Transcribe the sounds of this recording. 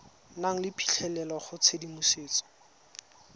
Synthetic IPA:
naŋ̩lɪpʰi̥ɬʰɛlɛlaχʊt͡sʰedimʊseːt͡sɔ̥

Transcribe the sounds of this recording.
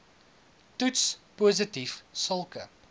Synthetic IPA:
tutspuːzətifsəlˠkə

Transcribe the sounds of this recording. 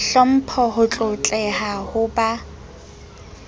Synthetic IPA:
ɬɔm̩pʰɔɦʊt͡ɬʼʊt͡ɬʼɛɦahʊba

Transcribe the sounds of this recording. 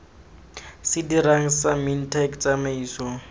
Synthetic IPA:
sɪdiɾaŋ̩samintʰɛkt͡sʼamaiːsɔ

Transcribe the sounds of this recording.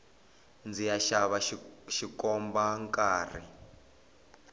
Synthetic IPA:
nd͡zijaʃaβaʃikɔmbaŋkʼaːrḭ

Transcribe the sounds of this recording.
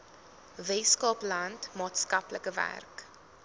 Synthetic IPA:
veːskɑːplɐntmɑːtskɐpləkəvæ̰rk

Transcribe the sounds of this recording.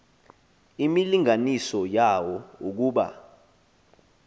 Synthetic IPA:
imiliŋanisɔjawɔuk̬uːɓa̰

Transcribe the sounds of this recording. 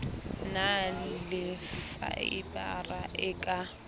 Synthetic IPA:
nalɪfa̰ibʼaraʔɪkʼa

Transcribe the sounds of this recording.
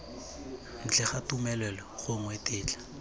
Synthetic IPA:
n̩t͡ɬʰɛχatumɛlɛlɔχʊŋwetɪːt͡ɬḁ

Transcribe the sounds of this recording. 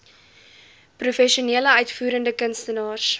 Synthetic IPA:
prufɛʃiuniələœɥtfuːɾəndəkənstənɑːrs

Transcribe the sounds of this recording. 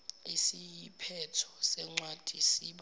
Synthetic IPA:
isijipʰɛtʰɔ̥sɛŋ͡ǀwad̥ʱisiɓ

